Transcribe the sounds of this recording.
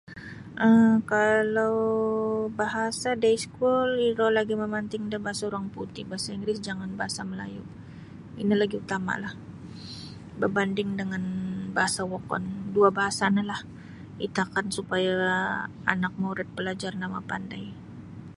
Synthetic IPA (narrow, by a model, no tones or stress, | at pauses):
ʔəkalaw | baɦasadajskuliɾɔlaɡiməmant̪ɪŋdahbaɦasauɾaŋput̪ɪhbaɦasaiŋɡɾɪsd͡ʒaŋanbaɦasaməla̰jṵ | inilaɡiut̪ama̰lah | bərbandɪŋdəŋanbaɦasawɔkɔ̰nduabaɦasanalah | it̪aakansupaja̰ː | nak̚muɾɛt̪̚pəlad͡ʒarnama̰pandaj